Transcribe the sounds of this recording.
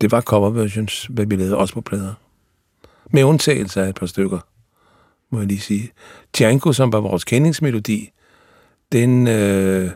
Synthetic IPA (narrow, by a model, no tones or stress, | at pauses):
d̥e̝ʋɑ̈kʰɒʋɐʋæɕonsʋæʋilɛːðˠɒ̽sə̥pʰɒ̽pʰlɛːðˠɐ | meɔ̽nt͡sʰɛ̰ːɪl̩səæed̥̚pʰɑ̈sd̥øɡ̥ɐ | mɔ̽jɑliːsiːt͡sʰiæŋkʰo̝sɒ̽mʋɑ̈ʋɒːskʰene̝ŋsme̝lo̝d̥ḭː | d̥enø